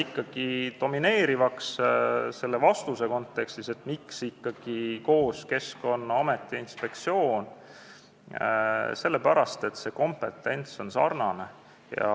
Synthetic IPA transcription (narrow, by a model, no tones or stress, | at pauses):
ikːˑɑɡ̥id̪̥o̞mine̞ːɾivɑksse̞lːe̞vɑst̪use̞ko̞nt̪ːˑe̞kst̪ise̞t̪miksikːɑɡ̥iko̞ːske̞sko̞nːɑɑme̞t̪ːˑiinspe̞kt̪sio̞ːn | se̞lːe̞pæɾɑst̪e̞t̪ːse̞ko̞mpe̞t̪ːˑe̞nt̪so̞nsɑ̰rnɑne̞ | jɑ̰